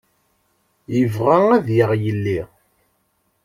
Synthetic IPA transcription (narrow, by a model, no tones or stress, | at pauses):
jəvʁaŋæðjəʁjəlːi